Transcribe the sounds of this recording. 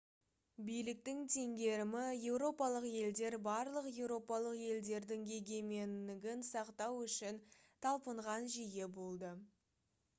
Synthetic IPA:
bijlɪk̚t̪ɪŋt̪ʰe̞ŋɡʲe̞ɾɪmɪje̞wɾo̞pɑlˠəqje̞ld̪e̞ɾbɑɾlˠəqje̞wɾo̞pɑlˠəqje̞ld̪e̞ɾd̪ɪŋɡʲe̞ɡʲe̞me̞nɪɡʲɪnsɑqt̪ɑwʏʃɪnt̪ʰɑlˠpəɴʁɑnʒije̞bo̞lˠd̪ə

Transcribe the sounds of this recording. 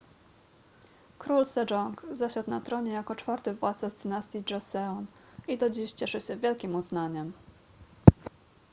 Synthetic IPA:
kɾulsɛd͡ʐɔŋkzaɕat̪nat̪ɾɔɲɛjakɔt͡ʂfaɾt̪ɘvwat̪sazd̪ɘnast̪ʲiʐɔsɛɔn | id̪ɔd͡ʑiɕt͡ɕɛʂɘɕɛvʲjɛlkʲimuznaɲɛm

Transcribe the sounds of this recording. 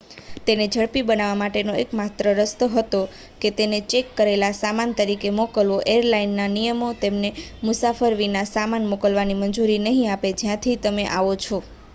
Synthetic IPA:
t̪ened͡ʒʱəɭpibənaʋamaʈenoekmat̪ɾəɾəst̪əɦət̪o | ket̪enet͡ʃekːəɾelasamant̪əɾikemokəlʋoʔeɾlainːanijəmot̪emnemʊsafəɾʋinasamanmokəlʋanimənd͡ʒuɾinəɦĩaped͡ʒjãt̪ʰit̪əmeʔaʋot͡ʃʰo

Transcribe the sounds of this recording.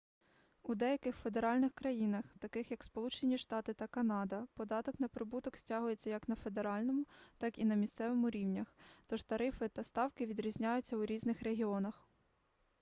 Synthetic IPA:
ud̪ɛjɐkɪxfe̞d̪e̞ɾɑlʲnɪxkɾɐjinɐxt̪ɐkɪxjɐkspɔlˠut͡ʃenʲiʃt̪ɑt̪ɪt̪ɐkɐnɑd̪ɐpɔd̪ɑt̪ɔknɐpɾɪbut̪ɔksʲtʲɑɦʊjet͡sʲːɐjɐknɐfe̞d̪e̞ɾɑlʲnɔmʊt̪ɑkinɐmʲist̪sɛʋemʊɾʲiwnʲɐxt̪ɔʒt̪ɐɾɪfɪt̪ɐst̪ɑwkɪʋʲid̪ɾʲizʲnʲajʊt͡sʲːɐwɾʲiznɪxɾe̞ɦʲiɔnɐx

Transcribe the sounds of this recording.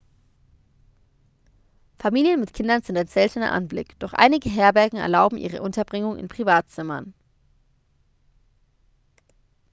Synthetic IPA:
famiːljənmɪtkʰɪndɐnzɪntaɪnz̥ɛltənɐ̰ʔa̰nblɪ̰kd̥ɔχʔa̰ɪnɪɡəɦɛːɐbɛɐɡŋ̩ɛ̰ɐlaʊbm̩ʔḭːʁ̞ə̰ʔʊntɐbʁɪŋʊŋɪ̰npʁ̥ivaːtt͡sɪmɐ̰n

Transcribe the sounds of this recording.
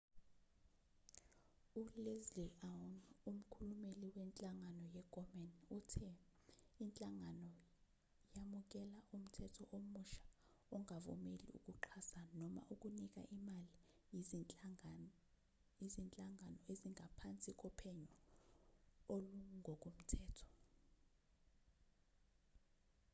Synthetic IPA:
ulezlianum̩kʰulumeliwɛnt͡ɬʼaŋanɔjɛɡʼɔmɛnutʰɛ | int͡ɬʼaŋanɔ | jamuk̬ɛlaum̩tʰɛtʰɔʔomuʃḁ | ɔŋavɔ̰melḭṵk̬ʼuǃʰasanɔma̰ʔuk̬ʼunik̬ʼa̰ʔimali | izint͡ɬʼaŋanɔeziŋʱapʰant͡sʼikʼɔpʰɛɲɔ | oluŋʱɔk̬ʼum̩tʰɛːtʰɔ̥

